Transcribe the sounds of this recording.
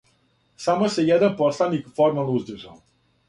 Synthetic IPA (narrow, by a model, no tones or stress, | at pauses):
samosejɛd̪anposlˠanikfoɾmaluzd̪iʒal